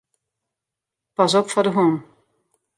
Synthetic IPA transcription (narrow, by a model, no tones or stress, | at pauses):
pas̬ɔpfɔdəɦuːn